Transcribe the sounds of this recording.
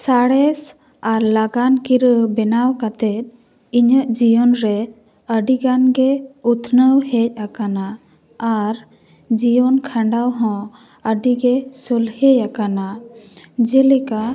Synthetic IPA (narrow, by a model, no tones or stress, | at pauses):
saɽɛs | aɾlaɡankiɾəbɛnawkat̪ɛt̪̚ | iɲəʔd͡ʒijɔnɾɛ | əɖiɡanɡɛut̪ʰnəwhɛc̚akanaː | ɾ | d͡ʒijɔnkʰãɳɖawɦɔ̃ | əɖiɡɛsɔlhɛjakana | d͡ʒɛlɛka